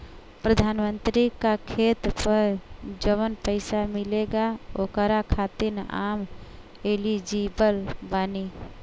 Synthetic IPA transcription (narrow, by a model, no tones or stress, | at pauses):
pɾəd̪ʱanmənt̪ɾikakʰet̪pəɾd͡ʒəʋənpəɪsamileɡaokəɾakʰat̪ina̰m | elid͡ʒibəlbani